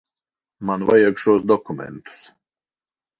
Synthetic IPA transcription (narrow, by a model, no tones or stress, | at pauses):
manva̰jaɡʃuɔsd̪ɔkumɛ̰nt̪u̥s